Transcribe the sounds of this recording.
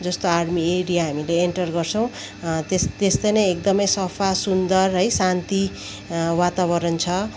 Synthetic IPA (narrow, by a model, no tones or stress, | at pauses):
d͡zʌst̪oaɽmieɽijaɦamileeɳʈʌrɡʌrt͡sʰʌw̃ | t̪est̪est̪ʌjnʌjek̚d̪ʌmʌjsʌpʰasund̪ʌrɦʌjsant̪i | wat̪aβʌɾʌnt͡sʰʌ